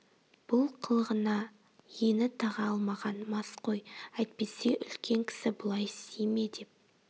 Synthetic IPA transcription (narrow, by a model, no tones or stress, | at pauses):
b̥ʊlˠqʰəlˠəʁənɑ | jenɪt̪ʰɑʁɑɑlˠmɑʁɑnmɑsqo̞jæjt̪̚pe̞se̞ʔʏlkʲe̞ŋkʲʰɪ̥sɪbʊlˠɑjst̪ejmed̪e̞p̚